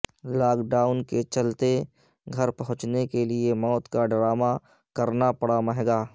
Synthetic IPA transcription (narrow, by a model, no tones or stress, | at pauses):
laːkɖaːʊnket͡ʃɐlt̪e | ɡʱɐɾpɐɦʊ̃t͡ʃnekeliemɔːt̪kaɖɾaːma | kɐɾnapəɽaməɦɡaː